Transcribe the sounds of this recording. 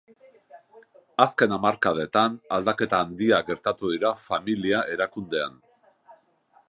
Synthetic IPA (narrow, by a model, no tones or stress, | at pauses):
aske̞namaɾkað̞e̞t̪anald̪ake̞t̪aːnd̪iaɡe̞ɾt̪at̪uðiɾafamiliaʔe̞ɾakund̪e̞a̰n